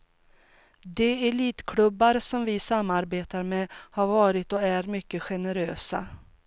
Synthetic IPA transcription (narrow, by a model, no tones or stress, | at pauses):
d̪ɛɛliːt̪kʰlɵbːaɾsɔmvɪsamːaɾbeːt̪aɾmehaɾvɑːɾɪt̪ɔæɾmʏkːəɧɛnəɾøːsa̰